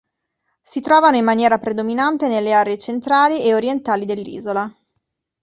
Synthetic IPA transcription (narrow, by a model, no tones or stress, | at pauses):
sit̪ɾɔːvanoimːanjɛːɾapɾed̪ominant̪enelːeaːɾeet͡ʃent̪ɾaːlieoɾjent̪aːlid̪elːḭːzola